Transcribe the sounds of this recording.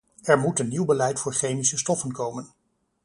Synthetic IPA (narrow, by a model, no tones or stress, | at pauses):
ɛɹmutənːiwbəlɛjtfʊːɹχejmisəstɔfənkowmən